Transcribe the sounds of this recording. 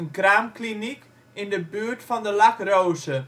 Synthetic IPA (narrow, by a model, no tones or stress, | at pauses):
ənkraːmklinik | ɪndəbyːəɹtfɑndəlɑkrowzə